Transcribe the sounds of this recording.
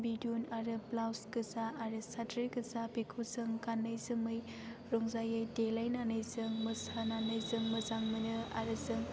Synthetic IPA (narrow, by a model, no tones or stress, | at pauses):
bidiunaɾɯplawskɯzaːɾɯsatɾikɯsapikʰuzɯŋkanːɯjzɯmɯj | ɾɔŋzajajdelajnanɯjzɯŋmɯsananɯjzɯŋmɯzaŋmɯnɯa̰ɾɯzɯŋ